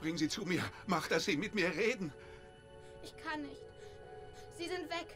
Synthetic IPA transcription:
b̥ʁɪŋənziːt͡sumiːɐmaχd̥asz̥iːmɪtmiːɐʁeːdn̩ | ʔɪçkʰanːɪçt | z̥iːzɪntv̥ɛk

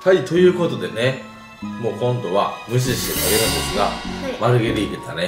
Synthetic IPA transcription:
t̪ʰaɾʲit̪o̞jɯ̟ːko̞t̪o̞d̪e̞ne | mo̞ːkõ̞nd̪o̞βamɯ̟ɕ̬iɕi̥t̪e̞k̪aɡeɾɯ̟̃nd̪e̞sɨɡa̰maɾɯ̟ɡeɾeit̪et̪ane

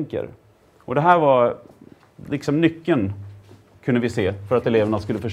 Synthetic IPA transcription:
ŋkə̰ɾ | ʔɔd̪ɛɦæːɾva | lɪksɔmnʏkːən | kʰɵnd̪əvɪseːfœɾat̪ɛleːvəɳaskɵlːəfœʂ

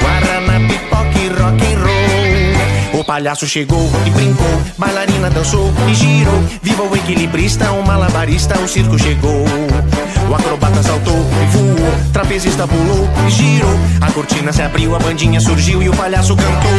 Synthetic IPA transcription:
ɡwaɾanapip̪ɔkɪrɔkẽj̃ro | ʊpaʎasʊʃeɡowɪbɾĩŋkowbajlaɾĩnɐd̪ɐ̃sowɪʒiɾovivɐwekilibɾist̪ɐũmalabaɾist̪ɐʊsiɾkʊʃeɡow | ʊakɾobat̪ɐsawt̪owvuʊt̪ɾapezist̪ɐpulowɪʒiɾoɐkoɾt͡ʃĩnɐsɪabɾiwɐbɐ̃d͡ʒĩɲɐsuɾʒiwɪʊpaʎasʊkɐ̃nt̪ow

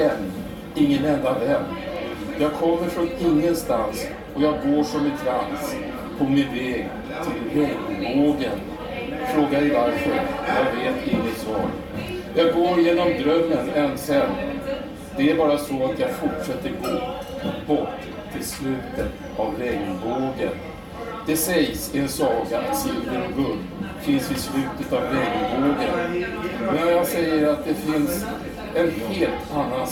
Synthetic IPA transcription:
ɛnː | ɪŋːənɛnd̪ad̪ɛmːjɑːɡ̚kʰɔmːəɾfɾɔnɪŋːənst̪ans | ɔjaɡɡoːʂɔmɛnt̪ʰɾans | pʰɔmɪnvɛːɡ | t̪ʰɪlhɵŋboːɡən | fɾoːɡad̪ɛvaɾfœɾjaɡveːt̪ɪŋːət̪svɑ̰ːɾ | jɑːɡɡoːɾjeːnɔmd̪ɾœmːənɛnːsɛn | d̪̥ɛæɾbɑːɾasɔat̪jɑɡfʊʈʂɛt̪ːəɾɡoː | bɔʈː | t̪ʰːɪlslʉ̟ːt̪ət̪ | avɾɛɡboːɡə̰n | d̪̥ɛsɛjsɪɛnsɑːkat̪siːd̪əɾɡɵn | fɪnsvɪslʉ̟ːt̪ət̪avɾɛɡəboːɡənmɛnjaɡsɛjːəɾat̪̚d̪ɛfɪns | ɛnheːlt̪ʰanːa

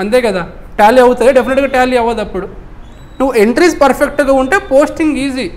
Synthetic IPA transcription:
ɐnt̪̬eːkɐd̪aːʈaːlːiɐwut̪ɐd̪eɖepʰineʈɡaːʈaːlːiːɐʋːɐd̪ɐpːuɽu | nuʋːue̞ɳʈɾiːspɐɾpʰek̚ʈɡaːuɳʈe̞ːpo̞ːsʈiŋɡiːziː

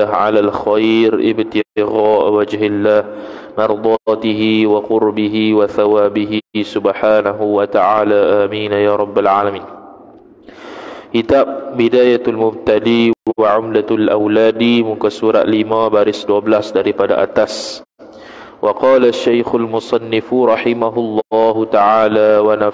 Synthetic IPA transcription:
aʕa̰lalxajɾɪ̰bt̪ɪɣaːʔwad͡ʒɦɪlːaːh | mɑɾˤd̪ˤɑt̪iɦiwaqʊɾbiɦiwaθawaːbiɦisʊbħaːnaɦuwat̪aʕaːlaʔaːmiːnajaːɾˤɑbːalʕalamiːn | kit̪ab̚bidaːjat̪almʊb̚t̪aliwwaʕʊmlalʔa̰wlaːdimukasuɾa̰ʔ̪limãbaɾɪsduabəlasdaɾipada̰ʔa̰t̪as | wɑqɑːlaʃːajxʊlmʊsˤɑnːɪfɾˤɑħɪmaɦʊlːɑːɦut̪aʕaːlawana

